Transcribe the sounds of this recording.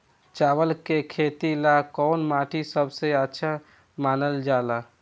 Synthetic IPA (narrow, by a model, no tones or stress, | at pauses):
t͡ʃaʋəlkekʰet̪ilakɔnmaʈʰisəbʱseətːʃʰa | maːnəld͡ʒala